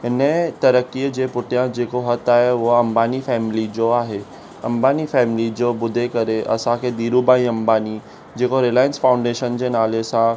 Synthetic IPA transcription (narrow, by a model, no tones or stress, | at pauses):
ɦɪnət̪ɐɾəkiəd͡ʑeːpʊʈʰijãd͡ʑeːkoɦɐt̪aːɦeʊɦaɐ̃mbaːnifɛːmɪlid͡ʑoaːɦe | ɐ̃mbaːnifɛːmɪlid͡ʑoːbʊd̪ʱekɐɾeʔɐ̰sãkʰeːd̪iːɾubaːĩɐ̃mbaːni | d͡ʑeːkoɾelaːjə̃nsfãːʊ̃ɳɖeːʃənd͡ʑeːnaːlesã